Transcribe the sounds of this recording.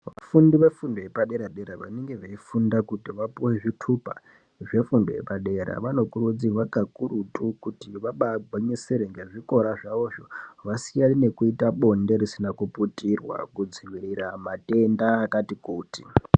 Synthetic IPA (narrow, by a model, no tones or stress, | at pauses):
ʋa̰fundiʋe̞fundo̞jepaɗe̞ɾaɗeɾaʋa̰neŋɡe̞ʋaifundakutiʋapuwe̞ʐitʰupa̰ | ʐe̞fundojḛpaɗe̞ɾa̰ʋano̞kurud͡ziʋakakuɾutukutiʋaɓaɡʱwaɲeseɾeŋɡeʐiko̞ɾaʐaʋo̞ːʐoʋasijaline̞kuitaɓo̞nde̞ɾisinakuputirwa̰kud͡ziʋiɾiɾamate̞ndaːkatikuːtḭ